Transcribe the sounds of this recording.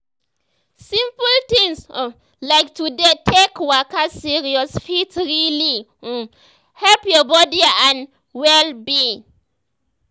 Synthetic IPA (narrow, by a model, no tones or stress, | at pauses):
sĩmpult̪ĩŋs | laɪk̚tudetʰekwakasiɹiɔsfitɹili | hɛlpjɔbɔdiãn | wɛlbi